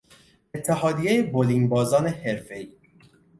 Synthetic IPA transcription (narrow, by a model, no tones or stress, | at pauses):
et̪ʰːeɦɒːd̪ijejebolinbɒːzɒːneheɾfe̞iː